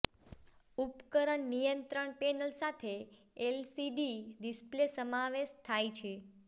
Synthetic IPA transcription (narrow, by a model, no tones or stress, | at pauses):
upkəɾəɳnijənt̪ɾəɳpenəlsat̪ʰe | elsiɖiɾisplesəmaʋeʃt̪ʰajt͡ʃʰe